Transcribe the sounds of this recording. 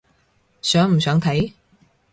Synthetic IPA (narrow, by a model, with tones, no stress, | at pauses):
sœː˨˥ŋm̩˨˩sœː˨˥ŋt̪ʰɐ˨˥j